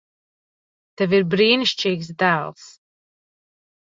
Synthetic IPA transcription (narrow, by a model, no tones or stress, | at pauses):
t̪ɛviɾbɾiːniʃt͡ʃiːɡs̬d̪æːlˠs